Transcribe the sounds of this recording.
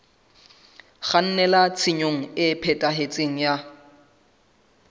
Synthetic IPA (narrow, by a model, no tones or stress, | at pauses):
χan̩nɛlat͡sʰɪɲoŋ̩ɪpʰɛtʼaɦet͡sʼeŋ̩ja